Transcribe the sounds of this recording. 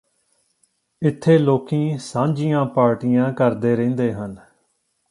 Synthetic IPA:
ɪt̪ʰːeːloːkĩːsãːɲd͡ʒijãːpaːɾʈijãːkəɾd̪eːɾẽːnd̪eːɦən

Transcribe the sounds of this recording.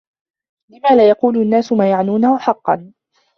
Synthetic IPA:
lɪmaːlaːjɑquːlʊʔanːaːsʊmaːjaʕnuːnahʊħɑqːɑ̰n

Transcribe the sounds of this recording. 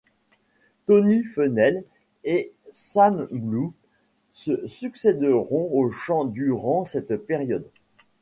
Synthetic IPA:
t̪ɔnifənɛl | esanblu | səsyksed̪əʁɔ̃oʃɑ̃d̪yʁɑ̃sɛt̪pɛʁjɔd̪

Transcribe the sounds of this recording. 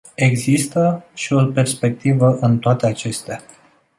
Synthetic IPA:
e̞ɡzist̪əʃio̞pe̞rspe̞k̚t̪ivəʔɨnt̪oat̪eat͡ʃe̞st̪ea

